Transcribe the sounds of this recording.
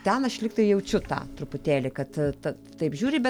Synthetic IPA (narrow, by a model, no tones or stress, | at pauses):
t̪ʲɛnɐʃlʲɪkt̪ɐɪjɛʊt͡ʃʲʊt̪ɑ̰ːt̪ɾʊpʊt̪ʲæːlʲɪkɐt̪t̪ɐ | t̪ɐɪpʒʲuːɾʲɪbʲɛ